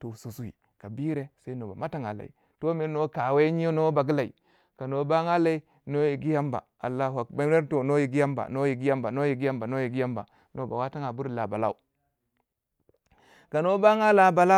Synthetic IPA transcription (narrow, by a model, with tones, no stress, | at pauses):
to˨su˨su˦wḭ˨ | ka˨bi˦ɾe˨sa˦i˦no˨ba̰˨ma˦ta˦ŋa̰˨la̰˨ḭ˨ | to˦me˦no˦ka˨we˦ɲi˦jo˦no˦ba˨ɡi˦la˨ḭ˨ | ka˨no˦ba˦ŋa˦la˦i˦ | no˦ji˨ɡi˦ja˦mba̰˨ | a̰˨lːa˦ɦa˨ba˦e˦ɾto˨no˦ji˨ɡi˦ja˦mba̰˨no˦ji˨ɡi˦ja˦mba˨no˦ji˨ɡi˦ja˦mba˨no˦ji˨ɡi˦ja˦mba̰˨ | no˦ba̰˨wa˦ta˦ŋa˨bu˦ɾla˨ba˨la̰˦u˨ | ka˨no˦ba˦ŋa˦la˨ba˨la˦